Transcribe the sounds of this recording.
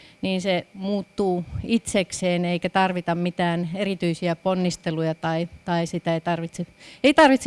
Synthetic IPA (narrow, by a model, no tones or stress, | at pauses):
niːnsemuːt̪ːuːit̪sekseːneikæt̪ɑrʋit̪ɑmmit̪æːnerit̪yisiæponːist̪elujɑt̪ɑit̪ɑisit̪æeit̪ɑrʋit̪seeit̪ɑrʋit̪s